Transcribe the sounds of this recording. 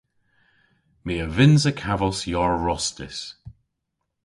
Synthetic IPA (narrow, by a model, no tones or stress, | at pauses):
miːəvɪnzəkʰavəsjɔɹɹɔstɪ̰s